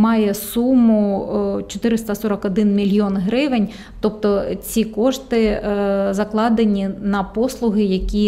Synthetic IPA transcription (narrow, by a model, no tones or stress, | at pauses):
mɑjɛsumʊt͡ʃɔt̪ɪɾɪst̪ɐsɔɾɐkɔd̪ɪnmʲilʲjɔnɦɾɪʋenʲ | t̪ɔp̚t̪ɔt͡sʲikɔʂt̪ɪzɐklˠɑd̪enʲinɐpɔslˠʊɦɪjɐkʲi